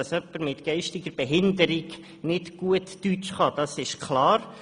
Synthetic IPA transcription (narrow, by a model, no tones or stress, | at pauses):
ɑsœpːəɾmɪt̪ɡ̥ɛɪʃtɪɡəɾb̥ɛɦɪndəɾɪɡ | nɪdɡ̥uətːyt͡ʃχɑd̪̥ɑsɪʃkʰlɑːɾ